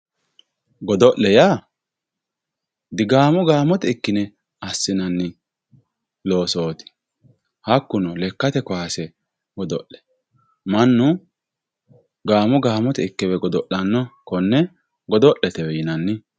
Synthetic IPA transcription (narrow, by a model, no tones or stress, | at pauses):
ɡɔd̪ɔʔlɛjaː | d̪ɪɡaːmɔɡaːmɔt̪ɛɪkːɪnɛ | ɐsːɪnɐnːɪ | lo̞ːsoːt̪ɪ̥ | hɐkːʊnɔlɛkːɐt̪ɛkɔhasɛ | ɡɔd̪ɔʔɛ̥ | mɐnːʊ | ɡaːmɔɡaːmɔt̪ɛɪkːɛwɛɡɔd̪ɔʔɐnːɔkɔnːɛ | ɡɔd̪ɔʔːɛt̪ɛwɛjɪnɐnːɪ